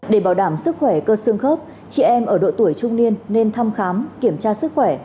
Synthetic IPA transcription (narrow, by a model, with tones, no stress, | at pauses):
ɗe˧˩ɓaː˧˩wɗaː˧˩msɨ˦˥k̚xwɛ˧˩kəː˧sə˧əŋxəː˦˥p̚ | t͡ɕḭ˧˨ʔɛ˧mʔəː˧˩ɗo̰˧˨t̪u˧˩əjt͡ɕʊ˧wŋ͡mni˧ənːe˧nt̪ʰa˧mxaː˨˦mki˧˩əmt͡ɕaː˧sɨ˦˥k̚xwɛ˧˩